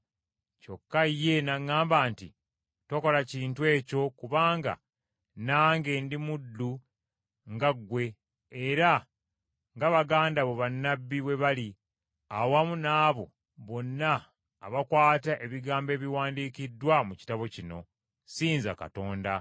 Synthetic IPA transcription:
co̞kːaje̞naŋːaːmbaːnti | twoko̞laciːntwe̞ːco̞kuβaːŋɡa̰ | naːŋɡe̞ːndimudːu | ŋɡaɡwe̞ | eɾa | ŋɡaβaɡaːndaβoβanːabːiβwe̞βali | awamunaːβo̞ | βo̞nːaː | βakwaːtaʔe̞βiɡaːmbe̞ːβiwaːndikidːwamuci̥taβo̞cino̞̰ | siːnza̰ka̰to̞ːnda

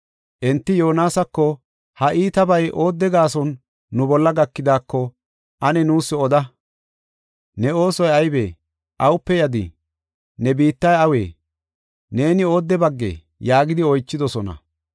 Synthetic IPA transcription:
ʔɛnt̪ːɪjo̞ːnaːsɐkːɔ | hɐʔiːt̪ɐbɐjʔo̞ːd̪ːɛɡaːsɔnː | ʊbɔlːɐɡɐkːɪd̪aːkːɔ | ʔɐnɛnuːsːɛɔd̪ɐ | nɛo̞ːsɔjɐjbḛː | ʔɐwʊpːɛjɐd̪ɪ̰ | nɛbiːt̪ːɐjɐwe̞̰ː | ne̞ːnɪo̞ːd̪ːɛbɐɡːḛː | jaːɡɪd̪ɪɔjt͡ʃːɪd̪ɔsɔnɐ̰

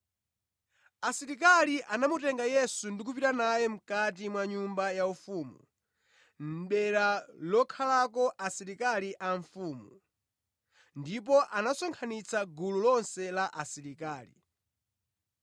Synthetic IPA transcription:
asiɾik̬aliʔanamutɛŋɡajɛsundik̬upiɾanajɛm̩katimwaɲumbajaufuːmu | m̩ɓɛɾalɔkʰalakɔʔasiɾikaliʔaɱfuːmu | ndip̬ɔʔanasɔŋkʰanit͡sʰaɡululɔnsɛlaʔasiɾikaːlḭ

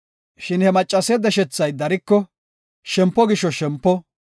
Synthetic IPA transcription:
ʃɪnhɛmɐt͡ʃʼːɐsɛd̪ɛʃɛt͡sːɐjd̪ɐɾɪkːɔ | ʃɛmpːɔɡɪʃɔʃɛmpːɔ

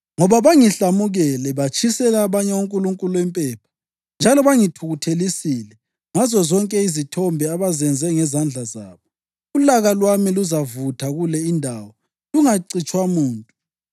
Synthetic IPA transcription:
ŋɔβaβaŋiɬamuɣɛlɛβat͡ʃʼʰisɛlaːβaɲɛuŋkʼuluŋkʼuluɛmpʼɛːpʰḁ | nd͡ʒʱalɔβaŋitʰuɣutʰelisilɛ | ŋazɔzɔŋkʼɛizitʰɔmbʱɛaβazɛnd͡zʱɛŋɛzand͡ɮʱaza̰ːβɔ | ulaɣalwamiluzavutʰaɣulɛindʱaːwɔ | luŋaǀit͡ʃʼwamuːntʼu

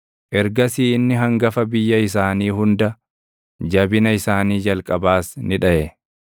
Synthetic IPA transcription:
ʔɛɾɡɐsiːɪnːɪɦɐŋɡɐfɐbɪjːɐɪs̬aːniːhʊnd̪ɐ | d͡ʒɐbɪnɐɪsaːniːd͡ʒɐlkʼɐbaːsnɪᶑɐʔɛ

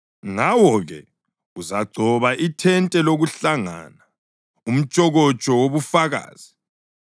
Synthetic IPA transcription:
ŋawɔɣɛ̰ | uzaɡ͡ǀʱɔβaʔitʰɛntʼɛloɣuɬaŋa̰na | um̩t͡ʃʼɔɣɔt͡ʃʼɔwoβufaɣa̰ːz̥i

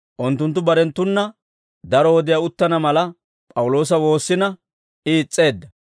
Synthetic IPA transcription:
ʔʊnt̪ːʊnt̪̬ːʊbɐɾɛnt̪ːʊnːɐ | d̪ɐɾɔwɔd̪ɪjaʊt̪ːɐnɐmɐlɐ | pʼɐwʊlo̞ːs̬ɐwo̞ːsːɪnɐ | ɪːt͡sʼːe̞ːd̪ːɐ

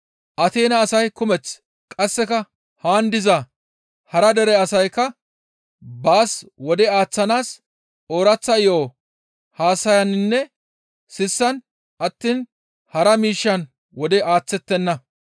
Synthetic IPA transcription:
ʔɐt̪e̞ːnɐːsɐjkʊmɛt͡s | kʼɐsːɛkɐ | haːnd̪ɪzɐ | hɐɾɐd̪ɛɾɛɐsɐjkɐ | baːswɔd̪ɛaːt͡sːɐnaːs | o̞ːɾɐt͡sːɐɪjoː | haːsɐjɐnnːɛ | sɪsːɐn | ʔɐt̪ːiːn | hɐɾɐmiːʃːɐn | wɔd̪ɛʔaːt͡sːɛt̪ːɛnːɐ

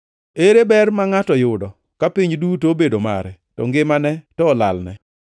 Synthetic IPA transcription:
eɾebɛrmaŋatɔjʊdɔ | kapiɲdutobedoma̰ɾɛ | tɔ̰ŋɡɪmanɛtɔːla̰lnɛ̰

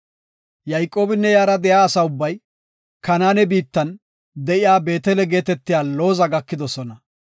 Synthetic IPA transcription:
jɐjkʼo̞ːbɪnːɛjaːɾɐd̪ɛjaːsɐʊbːɐj | kɐnaːnɛbiːt̪ːɐn | d̪ɛʔɪjaːbe̞ːt̪ɛlɛɡe̞ːt̪ɛt̪ːɪjaːlo̞ːzɐɡɐkːɪd̪ɔsɔnɐ

